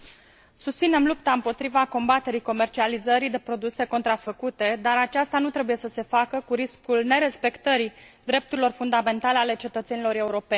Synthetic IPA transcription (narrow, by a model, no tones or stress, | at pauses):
sust̪sine̞mlupt̪aɨmpo̞t̪ɾivako̞mbat̪e̞ɾiko̞me̞rt͡ʃializəɾid̪e̞pɾo̞d̪use̞ko̞nt̪ɾafəkut̪e̞d̪aɾat͡ʃast̪anut̪ɾe̞buje̞səse̞fakəkuɾiskulne̞ɾe̞spe̞kt̪əɾid̪ɾe̞p̚t̪uɾilo̞rfund̪ame̞nt̪ale̞ale̞t͡ʃe̞t̪ət̪se̞nilo̞ɾe̞uɾo̞pe̞nʲ